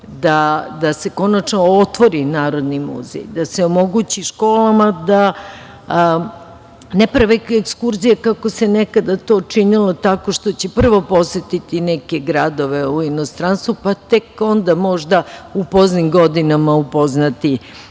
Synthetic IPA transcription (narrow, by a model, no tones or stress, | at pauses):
d̪ad̪ase̞ko̞nat͡ʃnoot̪ʋo̞ɾinaːɾo̞d̪nimṵzḛjd̪aseomo̞ɡut͡ɕiʃko̞ːlamad̪a | nepɾaʋekekskuɾzijakako̞senekad̪at̪o̞ːt͡ʂinilot̪ako̞ʃt̪o̞t͡ɕepr̩ʋo̞po̞set̪it̪inɛkeɡɾad̪o̞ʋeuinost̪ɾanst̪ʋupat̪eko̞nd̪amo̞ʒd̪aupoznimɡo̞d̪inamaupo̞znat̪i